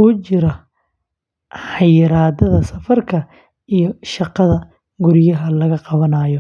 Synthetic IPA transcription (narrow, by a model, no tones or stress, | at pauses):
uːt͡ʃɪɾɐ | ħɑjɪɾaːd̪ɐðɐsɐfɐrkʰɐ | ijɔʃɑqɑðɐ | ɡʊɾɪjɐɦɐlɐɣɐqɑβɐnaːjɔ